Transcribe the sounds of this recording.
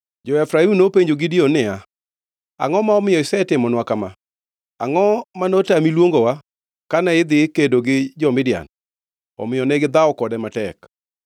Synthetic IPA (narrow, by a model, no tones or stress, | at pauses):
d͡ʒɔɛfɾainopeɲd͡ʒoɡɪdionɪa | a̰ŋɔmaɔmɪjɔɪsɛtɪmɔnwakama | a̰ŋɔmanotamilwoŋɡowa | kanaɪd̪ɪkedoɡɪd͡ʒɔmɪdɪa̰n | ɔ̰mɪjɔnɛɡɪd̪aɔkɔdɛmatɛk